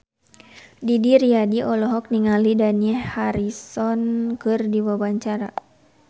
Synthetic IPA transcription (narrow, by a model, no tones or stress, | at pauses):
didiɾiadiʔɔlɔɦɔk̚niŋalidaniɛhhaɾisɔnkɨrdiwabaɲt͡ʃaɾa